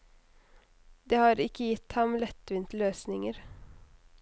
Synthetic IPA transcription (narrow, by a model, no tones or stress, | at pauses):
d̪eːhɑːɾɪkːəjɪt̪ːhɑmlɛt̪ːʋɪnt̪løːsnɪŋəɾ